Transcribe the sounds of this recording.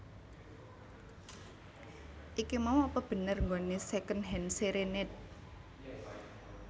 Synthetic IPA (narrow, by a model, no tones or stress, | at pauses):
ʔikimawɔpəb̥ə̤nərŋɡonesekənɦɛnseɾenɪt̪̚